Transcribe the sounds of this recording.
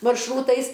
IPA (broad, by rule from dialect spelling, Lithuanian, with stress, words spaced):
mɐrʃˈruːtɐɪs